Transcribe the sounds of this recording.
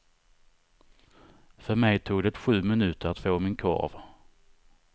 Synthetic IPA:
fœɾmɛjt̪ʰuːɡd̪ɛt̪ɧʉ̟ːmɪnʉ̟ːt̪əɾat̪foːmɪnkʰɔ̰ɾv

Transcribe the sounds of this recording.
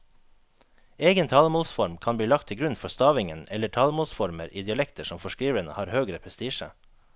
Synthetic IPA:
eːɡənt̪ʰɑːlmoːlsfɔɾmkʰɑːnbliːlɑk̚t̪ʰɪɡɾʉnfɔst̪ɑːʋɪŋənɛləʈʰɑːlmoːlsfɔɾmə̰ɾʔiːd̪ɪɑlɛkt̪əʃɔmfɔʃkɾiːʋənə̰hɑːɾhøːɡɾəpʰɾɛst̪iːʃə̰

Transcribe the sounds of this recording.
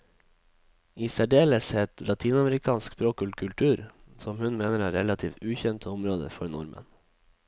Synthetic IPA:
iːsæɖeːləsɛt̪lɑt̪ʰiːnɑməɾɪkʰɑːnsksbɾoːkʉlkʰʉlt̪ʰʉːɾ | sɔmhʉnmeːnəɾæːɾɛlɑt̪ʰiːft̪ʉːçɛnt̪ʰəʊmɾoːd̪ə̰fɔɾnʊɾmə̰n

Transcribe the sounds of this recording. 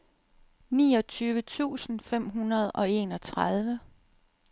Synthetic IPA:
niːɒ̽t͡sʰyːʋət͡sʰṵːsn̩fem̰ɦunɐð̞ˠʔɒ̽e̝ːnɒ̽t͡sʰʁɑð̞ˠʋə

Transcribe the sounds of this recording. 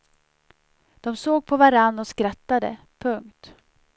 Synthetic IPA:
d̪̥ɔmsoːɡ̚pʰɔvaɾanːɔskɾat̪ːad̪ə̰ | pʰɵŋkt̪

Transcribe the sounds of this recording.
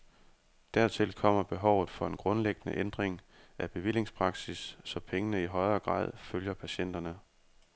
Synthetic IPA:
d̥æɐt͡sʰe̝lkʰɒ̽m̰ɐb̥e̝ɦɒʊ̰ð̩ˠfɒ̽e̝nɡ̥ʁɔ̽nleɡ̥ənə̰ʔend̥ʁeŋʔæb̥e̝ʋil̰e̝ŋspʰʁɑ̈ɡ̥sisːɒ̽pʰeŋənəiɦɒ̽ɪɐɡ̥ʁɑ̰̈ːð̰ˠføljɐpʰæɕen̰d̥ɐnə

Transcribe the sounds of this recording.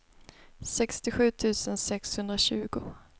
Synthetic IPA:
sɛkst̪ɪɧʉ̟ːt̪ʰʉ̟ːsənsɛkshɵnd̪ɾaɕʉ̟ːɡʊ

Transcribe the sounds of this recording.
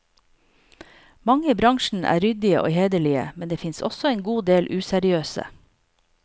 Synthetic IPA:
mɑŋəiːbɾɑŋʃn̩ʔæ̰ːɾʏd̪ɪəʔo̰ːheːd̪əɭɪə̰mɛnd̪eːfɪnsɔ̰sɔeːnɡuːd̪eːlʔʉːsæɾɪøːsə̰

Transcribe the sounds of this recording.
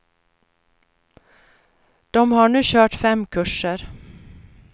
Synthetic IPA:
d̪̥ɔmhɑːɳʉːçøːʈfɛmkʰʉʃəɾ

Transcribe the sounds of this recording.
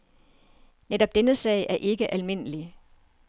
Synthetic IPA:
neɾ̥ɒ̽b̥̚d̥enəsɛ̰ɪʔæɐʔe̝ɡ̥əʔælme̝n̰əli

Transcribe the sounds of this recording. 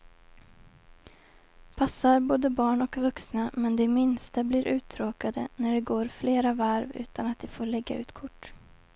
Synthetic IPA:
pʰasːaɾboːd̪əbɑːɳɔkvɵksnamɛnd̪ɛmɪnst̪abliɾʔʉ̟ːt̪ʰɾoːkad̪ə̰næɖɛɡoːɾfleːɾavaɾvʉ̟̰ːt̪anat̪̚d̪ɛfoːɭɛɡːa̰ʉ̟ːt̪kʰʊʈː

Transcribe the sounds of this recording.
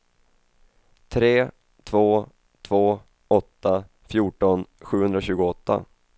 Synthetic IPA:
t̪ʰɾeː | t̪ʰvoː | t̪ʰv̥oː | ɔt̪ːa | fjuːʈɔnɧʉ̟ːhɵnd̪ɾaɕʉ̟ːɡʊɔt̪ːa̰

